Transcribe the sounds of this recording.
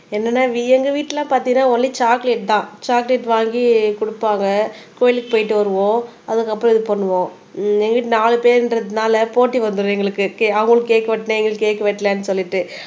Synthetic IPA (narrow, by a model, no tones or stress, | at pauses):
ɛnːɐnːaːʋiɛŋɡɐʋiːʈːɪlãːpaːɾt̪iŋɡɐnːaːɔlːit͡ʃaːkleʈ̚t̪ãːt͡ʃaːkleʈʋaːŋɡikʊɽʊpːaːŋɡɐkoːjɪlɯkːɯpoːjɪʈːɯʋɐɾɯʋõː | ɐðɯkːɐpːɾɔ̃ɪðɯpɔnːɯʋõː | ɛŋɡɐʋiːʈ̬ːnaːɭɯpeːɾɪnɾɐðɯnaːlɐpoːʈːiʋɐnd̪ɯɾɯ̃ːɛŋɡɐɭɯkːɯkeɐʋɐŋɡɐɭɯkːeːkːɐʋɐʈːnɐɛŋɡɐɭɯkːeːkːɐʋɛʈːlɛːnːɯsɔlːɪʈːɯ